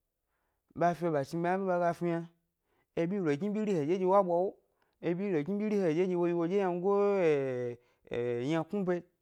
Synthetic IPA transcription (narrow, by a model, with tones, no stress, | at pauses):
ba˧fi˧e˧ba˨ʃi˧ba˧˦a˦bi˦ba˧ɡa˧fi˧ja˧ | e˧bi˦lo˨ɡi˦bʲi˦ɾi˦he˨d͡ʒe˦d͡ʒe˧˦wa˦bʷa˧wo˦ | e˧bi˦lo˨ɡi˦bʲi˦ɾi˦he˧˨e˨d͡ʒe˦d͡ʒe˧wo˧ji˧wo˧d͡ʒe˦ja˧n˧˦ɡo˦˨ | jã˧ku˦pe˧˦